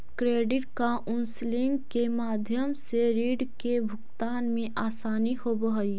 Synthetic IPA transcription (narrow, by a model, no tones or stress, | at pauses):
kɾeːɖɪʈ̚kaʔʊnslɪ̃ŋɡkemaːd̪ʱjəmseɾiːɖkebʱʊkt̪aːnmẽʔaːsaːnihobəɦi